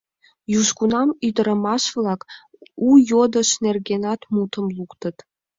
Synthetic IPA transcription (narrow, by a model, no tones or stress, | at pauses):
juʃkunɑmyd̪ə̆ɾə̆mɑʃvlˠɑk | ujod̪ɤ̆ʃnerɡʲenɑt̪mut̪ʰə̆mlˠukt̪ɤ̆t̪